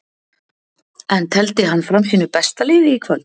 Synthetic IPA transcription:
ɛnt̪ʰɛlt̪ɪɦanːfɾamsiːnʏpɛst̪alɪːvɪikʰvœlt̪

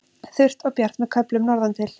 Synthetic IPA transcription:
θʏr̥t̪ɔwpjaɾ̥t̪mɛðkʰœplʏmnɔɾðant̪ʰɪl

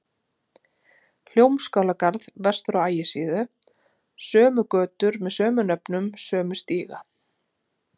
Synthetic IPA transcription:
l̥jowmskaːwlakaɾðvɛr̥st̪fɾawaːjɪsiːðʏ | sœːmʏkœːt̪ʏɾmɛðsœːmʏnœpnʏmsœːmʏst̪iːɣa

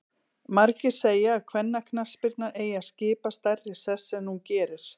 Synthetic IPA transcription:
maɾcɪɾ̥seːjaːkʰvɛnːakʰnaspɪɾt̪naʔeːjaðscɪːpast̪ajrɪ̥sɛsːɛmnuncɛːɾɪɾ̥

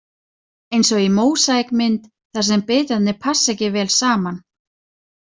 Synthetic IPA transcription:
ejnsɔɣimoːwsajkmɪnt̪ | θasɛmpɪːt̪at̪nɪpʰasːɛcɪvɛːlsaːman

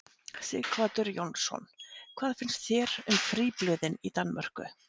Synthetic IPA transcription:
sɪɣkvaːt̪ʏɾjownsɔ̰nkʰv̥aːðfɪnst̪θjɛɾʏmfɾiːplœːðɪnit̪anːmœr̥kʏ̰

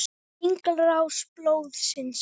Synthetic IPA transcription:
ɪŋklɾawsplowðsɪns

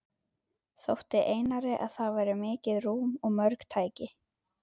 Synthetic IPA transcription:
θowht̪ɪʔeːjnaɾɪʔa̰ðθavajɾɪmɪːcɪðɾuːmɔɣmœɾkt̪ʰaːjcɪ

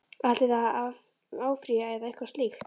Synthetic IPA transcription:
alt̪ɪðaav | aːwfɾiaɛðaɪhkaɾ̥sliːk

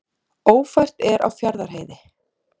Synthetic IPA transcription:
oːwfajr̥t̪ɛɾʔa̰wfjaɾðaɾ̥ɦeːjðɪ

